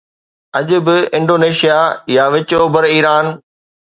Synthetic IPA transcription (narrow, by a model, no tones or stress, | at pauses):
ɐʄʊ̆bɪɪ̃ɳɖoːneːʃijajaʋɪt͡ɕoːbəɾiːɾaːn